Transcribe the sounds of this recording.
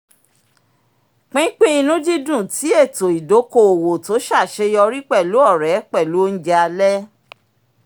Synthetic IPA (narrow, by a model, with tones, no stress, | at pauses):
k͡pĩ˦k͡pĩ˦i˧nũ˦d͡ʒi˦dũ˦˨ti˨˦e˦˨to˨i˨do˨˦ko˦˧o˨wo˨to˨˦ʃa˦˨ʃe˧˦jɔ˧ɾi˦k͡pɛ˦˨lu˨˦ɔ˦˨ɾɛ˨˦k͡pɛ˦˨lu˨˦n̩˦d͡ʒa˧lɛ˦